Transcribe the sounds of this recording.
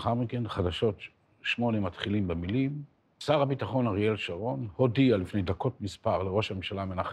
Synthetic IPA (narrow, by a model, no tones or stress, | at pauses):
χaʁmike̞nχadaʃo̞t | ʃmo̞nemat̪χilimbemilim | saʁabitaχo̞naʁijelʃaʁo̞nho̞dialifnejd̪ako̞tmispaʁleʁo̞ʃhamemʃalamenaχ